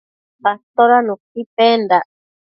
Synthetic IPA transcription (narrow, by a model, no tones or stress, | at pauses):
past̪oɾanũkipend̪a